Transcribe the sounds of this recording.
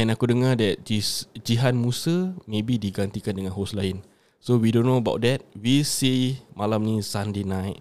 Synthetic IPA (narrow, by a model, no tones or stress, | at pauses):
ɛ̃nakudəŋadɛt̚d͡ʒisd͡ʒiɦanmusəmebidiɡant̪ikandəŋãnɦoslaɪn | sowidõnːoəbaʊt̚dɛt̚wisimalamnĩsãndenajt̚